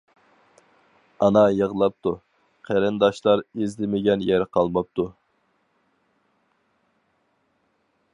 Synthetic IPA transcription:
ɑnɑjəʁlˠɑp̚t̪ʰu | qʰæɾɪnd̪ɑʃlˠɑɾezlɪmɪɡʲɛnjæɾqʰɑlˠmɑp̚t̪u

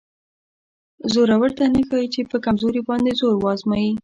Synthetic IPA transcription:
zoɾawəɾt̪anəxɑjit͡ʃepəkamzoɾibɑnd̪ezoɾwɑzmɑji

